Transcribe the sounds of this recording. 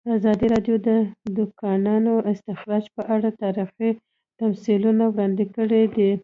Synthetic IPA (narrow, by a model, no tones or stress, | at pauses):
əazɑd̪iɾɑɖjod̪əd̪ʊkɑnɑnoɪst̪ɪxɾɑd͡ʒpəʔaɽat̪ɑɾixi | t̪amsilunawɽɑnd̪ɪkəɽed̪ə